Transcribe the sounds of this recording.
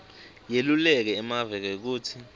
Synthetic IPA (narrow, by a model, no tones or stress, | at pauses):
jelulɛk̬ɛːmavɛk̬ɛk̬uːtʰi